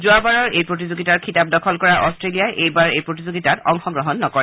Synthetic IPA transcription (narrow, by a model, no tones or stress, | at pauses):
zuabaɹɔɹejpɹot̬izoɡitaɹkʰitap̚dɔkʰɔlkɔɹaʔɔstɹelijaʔejbaɹejpɹot̬izoɡitatɔŋxɔɡɹɔɦɔnːɔkɔɹɛ